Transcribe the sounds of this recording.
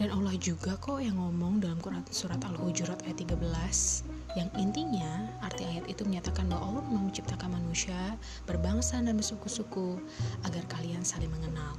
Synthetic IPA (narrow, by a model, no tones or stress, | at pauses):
d̥analahd͡ʒuɡakɔjaŋːɔmɔŋdalamkuɾasuɾat̪aluhud͡ʒuɾat̪ajat̪ːiɡabəlas | jaŋint̪iɲaːrt̪iajat̪it̪uməɲat̪akanbawauɾumamət͡ʃip̚t̪akanmanusia | b̥ərbaŋsanamisukusuku | aɡarkaliansalɪŋməŋənal